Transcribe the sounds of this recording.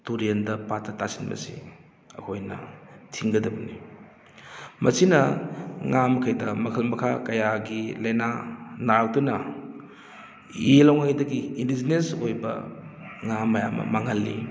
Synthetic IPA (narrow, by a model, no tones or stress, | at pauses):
tuɾiendɐpatːɐtasinmɐ̰sḭ | ɐkʰojnɐ̰tʰiŋɡɐdɐbɐni | mɐsinɐŋamkʰajdɐmɐkʰɐlmɐkʰakɐjaɡilɐjnanawdunɐ | ilawŋaŋdɐɡiːndizinesojbɐ̰ŋamːɐjamɐ̰maŋhɐlːḭ